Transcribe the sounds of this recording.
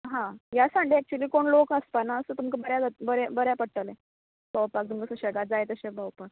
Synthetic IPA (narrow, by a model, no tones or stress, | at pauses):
ɦãjasãɳɖeɛk̚t͡ɕuəliːkoɳlokəspanaəsəːt̪umkabəɾjad͡zat̪bəɾebəɾjapəɽʈ̪əle | bəwpak̚t̪umkəsə̃ɕəɡad͡zajt̪əɕebəwpak̚